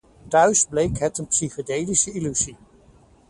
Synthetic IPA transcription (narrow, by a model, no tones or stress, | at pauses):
tœɥzblejkɦɛtənpsiχədejdisəilyzi